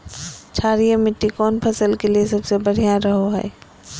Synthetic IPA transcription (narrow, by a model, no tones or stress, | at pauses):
t͡ʃʰaːɾijamɪʈːikɔːnpʰɐsəlkeliesɐbsebɐɽ̤ijãɾɐɦoɦɛ̰ː